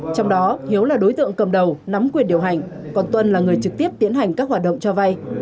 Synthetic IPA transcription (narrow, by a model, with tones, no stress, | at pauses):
t͡ɕɔ˧wŋ͡mɗɔ˨˦hi˨˦əwlaː˨˩ɗo˨˦jt̪ɨ̰˧˨əŋkə˨˩mɗə˨˩wna˨˦mkwi˨˩ənɗi˨˩əwɦa˨˩jŋ̟ | kɔ˨˩nt̪wə˧nlaː˨˩ŋɨ˨˩əjt͡ɕɨ˨˩k̚t̪i˦˥əp̚t̪i˨˦nɦa˨˩jŋ̟kaː˦˥k̚waː˨˩t̚ɗə̰˧˨ŋ͡mt͡ɕɔ˧va˧j